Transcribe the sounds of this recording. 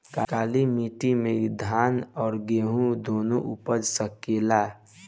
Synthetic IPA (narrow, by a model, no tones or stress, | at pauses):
kakaːlimiːʈimed̪ʱaːnɔːɾɡeːɦũd̪oːnoʔupəd͡ʒsəkeːlaː